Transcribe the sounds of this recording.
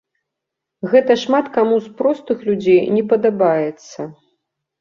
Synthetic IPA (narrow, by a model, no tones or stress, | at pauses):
ɣɛt̪ɐʂmat̪kamuspɾɔst̪ɨxlʲud͡zʲejnʲɛpɐd̪abajɛt̪sːɐ